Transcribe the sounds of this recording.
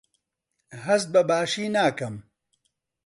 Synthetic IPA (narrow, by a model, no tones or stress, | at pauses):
ɦɐst̪̚bɐbaːʃiːnaːkɐm